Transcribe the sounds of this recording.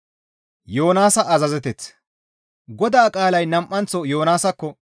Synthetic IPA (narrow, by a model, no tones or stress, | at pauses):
jo̞ːnaːsɐʔɐzɐzɛt̪ɛt͡s | ɡɔd̪aːkʼaːlɐjnɐmʔːɐnt͡sːɔjo̞ːnaːsɐkːɔ